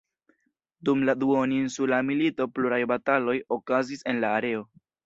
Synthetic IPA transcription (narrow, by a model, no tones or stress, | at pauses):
dumladuoninsulamilito̞pluɾajbatalo̞jo̞kazise̞nlaːɾe̞o̞